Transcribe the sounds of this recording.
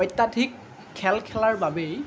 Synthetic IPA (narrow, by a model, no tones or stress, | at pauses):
ɔjtːadʰʱikʰː | ɛlkʰɛlaɹbabej